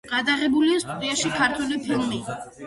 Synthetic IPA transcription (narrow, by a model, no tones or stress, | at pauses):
ɡ̥ad̪aʁɛbuliist̪ʼɔɾiaʃikʰaɾt̪ʰwɛlipʰilˠmi